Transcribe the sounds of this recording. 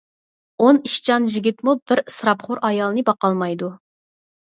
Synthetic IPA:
oniʃt͡ʃʰɑnʒiɡʲit̪mubɪɾsɾɑpχoɾʔɑjɑlˠɨnɨbɑqɑlˠmɑjd̪u

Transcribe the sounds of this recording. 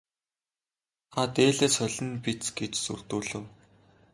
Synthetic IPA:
at̪eːɮeːt͡sχœɮʲɘ̆npit͡sɡet͡ɕsṵr̥t̪uːɮɘ̆w

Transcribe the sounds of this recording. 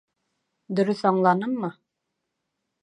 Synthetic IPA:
d̪ɵ̆ɾɵθɑɴlˠɑnɤmːɤ

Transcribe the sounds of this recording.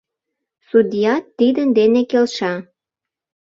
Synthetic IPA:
sud̪ʲijɑt̪ːid̪ənd̪enekelʃɑ

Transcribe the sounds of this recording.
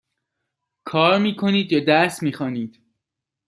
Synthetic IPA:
kʰɒːɾmiːkʰo̞niːd̪jɒːd̪æsmiːxɒːniːd̪̥

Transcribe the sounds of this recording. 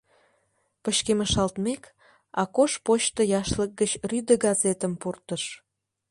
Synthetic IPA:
pəɕkeməʃɑlt̪mek | ɑkoʃpot͡ɕt̪əjɑʃlək̚ɡət͡ɕryd̪əɡɑzet̪əmpurt̪əʃ

